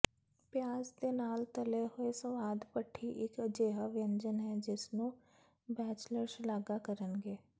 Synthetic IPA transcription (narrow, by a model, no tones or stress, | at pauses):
pjaːzd̪eːnaːlt̪əleɦʊesə̃ʋaːd̪pəʈʰːiʔɪkəd͡ʒeːɦaʋɪjə̃ɲd͡ʒənɦɛd͡ʒɪsnũː | bɛːt͡ʃləɾʃlaːɡakəɾənɡeː